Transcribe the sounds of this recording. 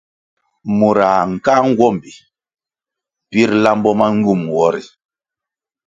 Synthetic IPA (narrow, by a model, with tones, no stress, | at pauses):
mu˨ɾa˨ŋ̩˨ka˦ŋ̩˦ɡwɔ˦˨mbi˨ | pi˦ɾla˦mbɔ˦ma˦ŋ˦ɡu˦˨mwɔ˦ɾi˨